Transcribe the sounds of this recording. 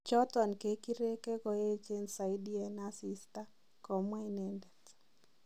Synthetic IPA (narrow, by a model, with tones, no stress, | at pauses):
t͡ʃɔ˦tɔ˨nke˨ki˦ɾe˦ke˦kɔ˨e˦t͡ʃe˦nsa˨jdi˦ɛ˨na˦si˦sta˦ | kɔ˨mwa˦i˦nɛ˨ndɛ˨t